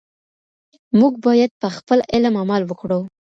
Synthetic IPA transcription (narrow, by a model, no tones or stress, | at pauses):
muɡ̚bɑjad̪̚pəxpəlɪlamamɑlwəkɽəw